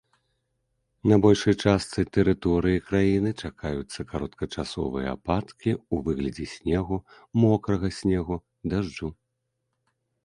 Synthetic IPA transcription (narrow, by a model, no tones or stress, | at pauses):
nɐbɔlʲʂɐjt͡ʂast̪sɨt̪ɛɾɨt̪ɔɾɨjikɾajinɨt͡ʂakʰajut̪sːɐkaɾɔt̪kʰɐt͡ʂasɔ̰vɨ̰jɐ̰a̰pat̪kʲiuvɨɣlʲɐd͡zʲɛsʲnʲɛɣu | mɔkɾɐɣɐsʲnʲɛɣu | d̪aʐd͡ʐu